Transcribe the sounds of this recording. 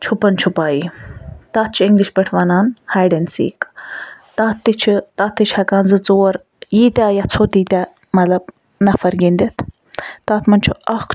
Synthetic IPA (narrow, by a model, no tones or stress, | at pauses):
t͡ʃʰupɐnt͡ʃʰupaːjit̪aːt̪̚t͡ʃʰiiŋɡliʃpeʈʰʋaːnaːnhaːjɖensḭːk | t̪at̪ːit͡ʃʰit̪aːt̪ːit͡ʃʰhɐkaːnzɨt͡soːɐɾ | jiːt̪ʲajat͡sʰot̪iːt̪ʲa | mɐlɐb̚ | nɐfɐɾɡiːnd̪ʲet̪ʰ | t̪aːt̪ʰmɐnt͡ʃʰuɐk